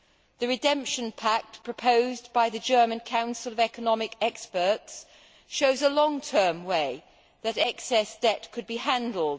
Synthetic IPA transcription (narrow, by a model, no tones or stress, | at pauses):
ðəɹɪdɛ̃mpʃə̃npʰak̚tpʰɹ̥əpʰoʊzbaɪðɨd͡ʒɜ˞mə̃nkʰãʊ̃nsəlˠəvɛkənɒmɪkɛkspəˑ˞ts | ʃoʊzəlɒ̃ŋtʰɜːmweɪ | ðəɾɛksɛsd̥ɛtkʰɨd̚bihãndˡl̩ˠd̥